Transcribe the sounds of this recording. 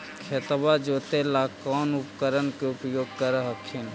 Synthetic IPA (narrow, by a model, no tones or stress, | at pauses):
kʰet̪bad͡ʒoːt̪elaːkɔːnʊpkəɾənkeupjoːɡ̚kəɾəɦəkʰen